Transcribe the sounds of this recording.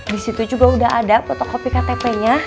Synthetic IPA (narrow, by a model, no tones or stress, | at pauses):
disit̪ud͡ʒuɡaudaɦadapɔt̪ɔkopikat̪epeɲa